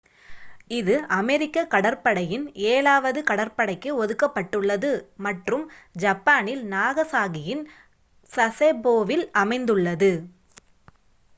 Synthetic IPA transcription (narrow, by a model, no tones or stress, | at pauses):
ɪðɯʔɐmɛɾɪkːɐkɐɽɐɾpɐɽɐjɪneːlaːʋɐðɯkɐɽɐɾpɐɽɐɪkːɯɔðɯkːɐpːɐʈːɯɭːɐðɯmɐʈrɯmd͡ʒɐpːaːnɪlnaːɣɐsaːɣɪjɪn | sɐseboːʋɪlɐmɐɪnd̪ɯɭːɐðɯ